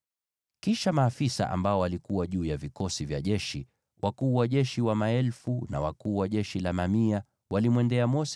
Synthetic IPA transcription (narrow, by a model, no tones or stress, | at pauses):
kiʃamaːfisa̰ʔa̰mbaɔwalikuwaʄuːjavikɔsivjaʄɛʃi | wʔakuːwaʄɛʃiwamaɛlfuna̰wakuːwaʄɛʃilamamia | walimwɛndɛamɔs